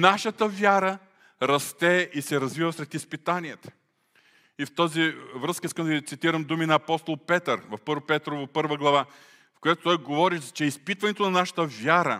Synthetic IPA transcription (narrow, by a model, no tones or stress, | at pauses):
naʃət̪əvʲjaɾə | ɾɐst̪ɛʔisɛɾɐzvivəsɾɛt̪ispit̪aniɛt̪ə̥ | ift̪ɔzivɾɤskəiskəmd̪ɐvit̪sit̪iɾəmd̪uminɐːpɔst̪olˠpɛt̪əɾvɐfpɤɾpɛt̪ɾovɐpɤɾvəɡlˠɐva | fkojat̪o̥t̪ɔjɡovɔɾit͡ʃɛispit̪vɐnɛt̪onɐnaʃə̥t̪əvʲjaɾə